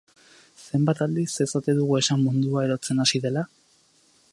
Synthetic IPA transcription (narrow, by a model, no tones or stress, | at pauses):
se̞mbat̪ald̪isesat̪eðuɣue̞samːund̪uae̞ɾo̞t͡se̞nasiðe̞la